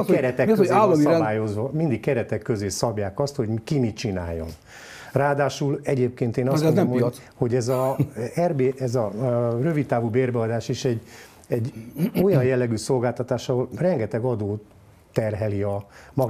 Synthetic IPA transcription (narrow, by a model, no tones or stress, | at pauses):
kɛɾɛt̪ɛkːøalɔsɛbaːjo̞zʋɒmind̪ikkːɛɾɛt̪ɛkːøzeːsɒbjaːkɒst̪ho̞ɟkimit͡ʃina̰ːjːo̰n | raːd̪aːʃulɛɟeːp̚keːnt̪eːnɒonmmo | ho̞ɟɛzɒɛrbeːʔɛzɒrøvit̪̚t̪ːaːvuːbeːrbɛɒd̪aːʃeʃɛɟː | ɛɟo̞jɒjjɛlːɛɡyso̞lɡaːlt̪ɒt̪aːʃɒɦo̞lrɛŋɡɛt̪ɛɡɒd̪oː | t̪ɛrɦɛliɒmɒ